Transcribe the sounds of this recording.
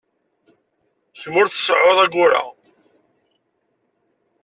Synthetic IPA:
çmʊɾθə̥sʕoðˤæɡʊɾa̰

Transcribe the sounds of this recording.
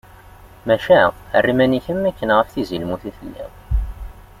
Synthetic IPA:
mæʃæə̰rːimæniçəmːækːənʁəfθizilmuθiθəlːḭ

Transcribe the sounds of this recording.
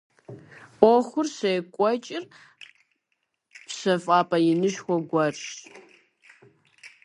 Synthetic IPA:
ʔʷɔxʷʊrɕejkʷʼɔt͡ʃʼɪr | pɕɐfʼaːpʼɐjɪnɨʃxʷɔɡʷɐrʈ͡ʂ

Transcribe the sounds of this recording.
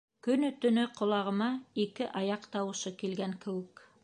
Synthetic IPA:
kɵ̆nɵt̪ɵ̆nɵqʰŏlˠɑʁɤ̆mɑikɘʔɑjɑqt̪ɑwɤ̆ʃɤkilɡæŋkɘ̆wɘk

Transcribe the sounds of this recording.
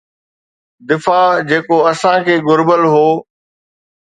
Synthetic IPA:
d̪ɪfaːd͡ʑeːkoɐsãkʰeːɡʊɾbəlɦoː

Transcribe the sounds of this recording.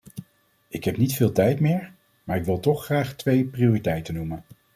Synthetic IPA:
ɪkɦɛpnitfɪːlˠtɛjtmɪːɹ | maːɹɪkʋɪlˠtɔχχraːχtʋejprioːritɛjtənumən

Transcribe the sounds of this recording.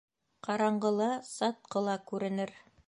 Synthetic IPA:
qɑɾɑɴɢɤ̆lˠɑsɑt̪̚qʰɤ̆lˠɑkʉɾɘ̆nɘɾ

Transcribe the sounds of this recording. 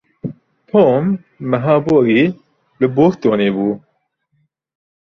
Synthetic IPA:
t̪ʰomː | ɛɦaːboːɾiː | bɨboːkt̪oːneːbuː

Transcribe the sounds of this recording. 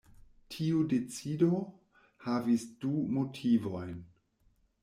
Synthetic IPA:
tʰiude̞t͡sido | havisdumotʰivojn

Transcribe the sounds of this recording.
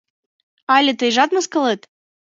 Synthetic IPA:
ɑlʲĕt̪ɨjʒɑt̪mɤskɤ̆lˠɨt̪

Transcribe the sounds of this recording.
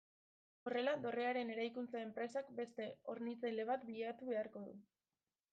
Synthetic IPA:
o̞re̞lad̪o̞re̞aɾe̞ne̞ɾajkunt͡sae̞mpɾe̞sakbe̞st̪e̞o̞ɾnit͡sele̞β̞at̪biʎat̪uβe̞aɾko̞ðṵ

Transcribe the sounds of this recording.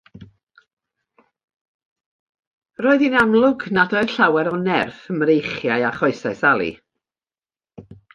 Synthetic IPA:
roːɨðinamlˠʊɡnadɔɨɬawɛɾɔnɛrfəmrejχjaɨaχɔɨsɛsalˠḭ

